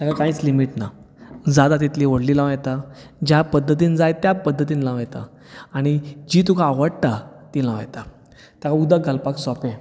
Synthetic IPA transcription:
t̪jakakãiːt͡slimiʈna | d͡zad̪at̪̬it̪liʋoɽlilaʋajt̪a | d͡ʑapəd̪ʱːət̪̬iːnd͡zajt̪japəd̪ʱːət̪iːnlaʋajt̪a̰ | aɽ̃id͡ʑit̪ukʰaːʋəɽt̪at̪ilãʋa̰jt̪a | t̪jakaud̪aɡʱəlpaksɔpẽ

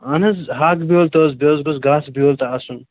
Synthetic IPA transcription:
ɐnɐzɦaːkbioːlt̪oːzbjoːzɡozɡaːsbioːlt̪ɐːsun

